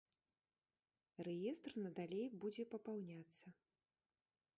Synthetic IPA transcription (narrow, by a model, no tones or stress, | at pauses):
rɛjɛst̪rnɐd̪alʲejbud͡zʲɛpɐpawnʲat̪sːɐ